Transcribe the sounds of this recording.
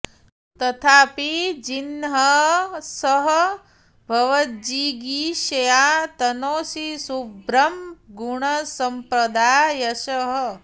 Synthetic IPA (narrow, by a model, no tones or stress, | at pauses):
t̪ɐt̪ʰaːpid͡ʒinɦɐsɐɦɐ | bʱɐʋɐt̪d͡ʒiːɡiːʃɐjaːt̪ɐnoːsisubɾɐmɡuɳɐsɐmpɾɐd̪aːjɐʃɐɦə